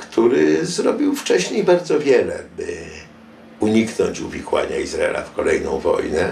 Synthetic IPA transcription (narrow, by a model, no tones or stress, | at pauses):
kt̪ʰuɾɘzɾɔbʲiwft͡ʂɛɕɲejbaɾd̪zɔvʲjɛlɛbɘ | uɲiknɔɲt͡ɕuvʲikwa̰ɲaizɾaɛla̰fkɔlɛjnɔ̃w̃vɔ̰jnɛ